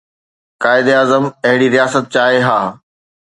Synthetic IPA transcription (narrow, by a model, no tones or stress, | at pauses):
kaːɪd̪eaːzəmɐɦɪɽiɾijaːsət̪̚t͡ɕaːɦeɦaː